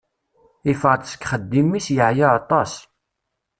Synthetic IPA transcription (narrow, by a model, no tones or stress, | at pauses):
ifəʁt̪sə̥kχəd̪ːimːisjəʕjaɑt̪ˤːɑs